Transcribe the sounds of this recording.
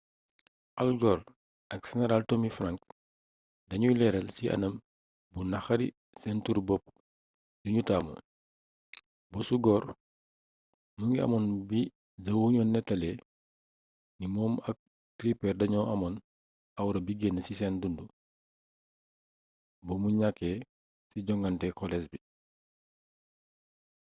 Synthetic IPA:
ʔɐlɡɔːr | ɐk̚sɛnɛɾaltomifraŋk | dɐɲulɛɾɐlsiʔɐ̰nɐm | bunɐxɐɾḭ | sɛntuɾbɔp̚ | duɲutaːmɔ̰ | bɔsuɡɔːr | muŋɡiɐ̰mɔnbi | zɐwhuɲɔnːɛtːɐlɛ | nimɔːmɐk̚ | tɾipɛrdɐɲɔʔɐmɔn | ɐwɾɐbiɡenəsisɛndundu | bɔmuɲakːɛ | siɟɔŋɡɐntɛkɔlɛs̬bi

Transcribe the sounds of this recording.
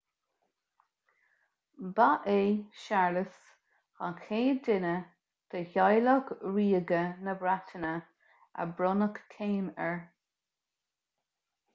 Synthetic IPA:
baʔeːʃaɹləs | xakʰeːdɪnə | t̪ʰəçajlɔkɹiːɡənəbɾatʰənə | ə̰bɾɔnəkkʰːeːmɛɹ

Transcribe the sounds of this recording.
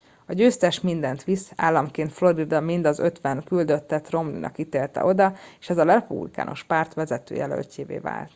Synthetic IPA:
ɒɟøːst̪ɛʃmind̪ɛnt̪ʋisaːlːɒmkeːnt̪flo̞ɾid̪ɒmind̪ɒzø̞t̪ʋɛnkyld̪ø̞t̪ːɛt̪ro̞mlḭnʔɒ̰kːit̪eːrt̪ɛ̰ʔo̞d̪ɒeːʃɛzɒlɛpṵblika̰ːno̞̰ʃpaːrt̪ʋɛzɛt̪øːjɛ̰lø̰lteːvḛːva̰ːlt̪

